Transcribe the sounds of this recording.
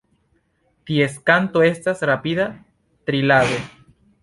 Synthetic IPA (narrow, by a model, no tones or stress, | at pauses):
t̪ieskant̪oe̞stasɾapiða | t̪ɾilaðo